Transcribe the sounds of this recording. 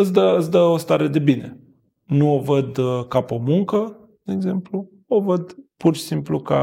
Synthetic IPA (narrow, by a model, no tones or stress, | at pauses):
ɨs̬ʲd̪əːsʲd̪əo̞st̪aɾe̞d̪e̞bine̞ | nuovəd̪kapomuŋkə | d̪̥eeɡze̞mplu | ovəd̪purʃi̥simpluka